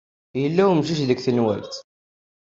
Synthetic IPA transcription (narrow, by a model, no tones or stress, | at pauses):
jəlːæwmʃiʃðəkθənwæ̰lt̪